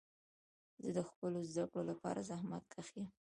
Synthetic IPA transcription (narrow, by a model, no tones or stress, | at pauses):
zəd̪əxpəlozd̪akɽolapɑ̰ɾʔazahmat̪̚kaxi